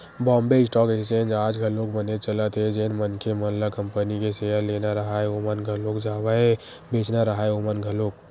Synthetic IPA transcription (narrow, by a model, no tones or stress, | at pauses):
bɔ̃ːmbeɪsʈɔːket͡ʃẽnd͡ʒaːd͡ʒɡʱəlokbənet͡ʃələt̪ɦed͡ʒenmənkʰemənləkəmpənikesejəɾlenaɾəɦaeomənɡʱəlokd͡ʒaːwae | beːt͡ʃnaɾəɦaeomənɡʱəloːk̚